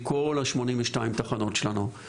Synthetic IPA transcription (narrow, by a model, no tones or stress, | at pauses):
kolaʃmo̞nimveʃtaimt̪aχano̞tʃelanu